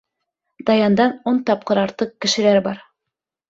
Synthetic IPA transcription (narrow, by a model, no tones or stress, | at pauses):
d̪̥ɑjɑnd̪ɑnont̪ɑp̚qɤɾɑɾt̪ɤq̚kɘ̆ʃɘ̆læɾbɑɾ